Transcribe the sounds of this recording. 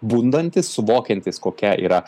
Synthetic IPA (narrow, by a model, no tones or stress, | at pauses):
buːnd̪ɐnʲt̪ʲɪssʊʋoːkʲɛnʲt̪ʲɪskoːkʲɛʔḭːɾɐ